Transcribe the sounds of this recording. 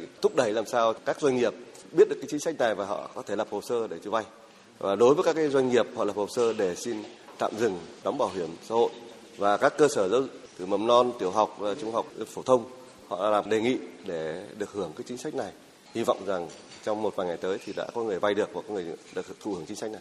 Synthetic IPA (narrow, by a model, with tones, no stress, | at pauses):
t̪ʰʊ˦˥k͡p̚ɗə˧˩jlaː˨˩msaː˧wkaː˦˥k̚zwa˧jŋ̟ŋi˨˩əp̚ | ɓi˦˥t̚ɗɨ˨˩kːaː˨˦t͡ɕi˨˦ŋsa˦˥k̟̚na˨˩jvaː˨˩ɦɔ̰˧˨kɔ˨˦t̪ʰe˧˩lə˨˩p̚ho˨˩səː˧ɗe˧˩t͡ɕɨ˧˩va˧j | va̰ː˨˩ɗo˨˦jvəː˨˦jka˦˥kːaː˨˦jzwa˧jŋŋi˨˩əp̚hɔ̰˧˨lə˨˩p̚ho˨˩səː˧ɗe˧˩si˧nt̪a̰ː˧˨mzɨ˨˩ŋɗɔ˨˦wŋ͡mɓaː˧˩wɦi˧˩əmsa̰ː˧˥ho̰˧˨j | vaː˨˩kaː˦˥kːəː˧səː˧˩zə˧wɨ˧t̪ɨ˧˩mə˨˩mnɔ˧nt̪i˧˩əwɦa˨˩wk͡p̚vaː˨˩t͡ɕʊ˧ŋ͡mha˨˩wk͡p̚fo˧˩t̪ʰə˧wŋ͡m | hɔ̰ː˧˨˧laː˨˩mɗe˨˩ŋḭ˧˨ɗe˧˩ɗɨ˨˩ək̚hɨ˧˩əŋkaː˨˦jt͡ɕi˨˦ŋ̟sa˦˥jk̚na˨˩j | hi˧vɔ̰˧˨wŋ͡mza˨˩ŋt͡ɕɔ˧wŋ͡mmo˨t̚vaː˨˩ŋa˨˩jt̪əː˨˦jt̪ʰi˨˩ɗa̰ː˧˥kɔ˨˦ŋɨ˨˩əjva˧jɗɨ˨˩ək̚va˨˩kɔː˨˦ŋɨ˨˩ə˩ɗt̪ʰu˧˩hɨ˧˩əŋt͡ɕï˨˦ŋ̟sa˦˥k̚na˨˩j